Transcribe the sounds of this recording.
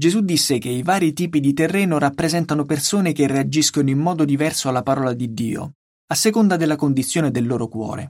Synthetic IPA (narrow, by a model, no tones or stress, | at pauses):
d͡ʒezud̪ːisːek̟eivaːɾit̪iːpid̪it̪erːɛːnoɾapːɾezɛnt̪anopersoːnekerːead͡ʒiskonoimmɔːd̪od̪ivɛrsoalːapaɾɔːlad̪id̪ːḭːo̰ | asːekond̪ad̪elːakond̪it̪sːjoːned̪elːoːɾokwɔ̰ːɾḛ